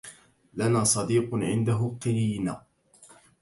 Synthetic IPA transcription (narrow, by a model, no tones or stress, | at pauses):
lanaːsˤɑd̪iːqʕɪ̰nd̪aɦʊqɪɾiːna̰ː